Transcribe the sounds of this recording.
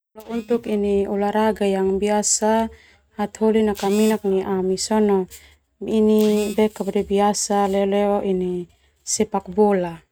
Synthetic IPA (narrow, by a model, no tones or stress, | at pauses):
lɔunt̪ukiniulaɾaɡajaŋbiasa | hat̪holinakaminak̚niʔamisɔnɔ | inibɛkabdɛbiasalɛolɛɔʔini | sɛpak̚bɔla